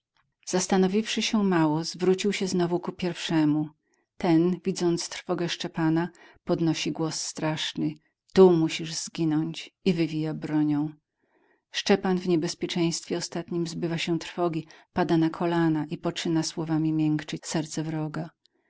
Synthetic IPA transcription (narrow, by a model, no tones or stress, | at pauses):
z̥ast̪anɔvʲifʂɘɕɛmawɔzvɾut͡ɕiwɕɛznɔvukupʲjɛɾfʂɛmu | t̪ɛnvʲid̪zɔnt̪st̪ɾfɔɡɛʂt͡ʂɛpanapɔd̪nɔɕiɡwɔsːt̪ɾaʂnɘ | t̪umuɕiʐz̥ɡʲinɔɲt͡ɕivɘvʲijabɾɔɲɔ̃w̃ | ʂt͡ʂɛpanvɲɛbɛspʲjɛt͡ʂɛ̃j̃st̪fʲjɛɔst̪at̪ɲimzbɘvaɕɛ̃t̪ɾfɔɡʲipad̪anakʰɔlanaʔipɔt͡ʂɘnaswɔvamʲimʲjɛŋkt͡ʂɘsɛɾt̪sɛvɾɔɡa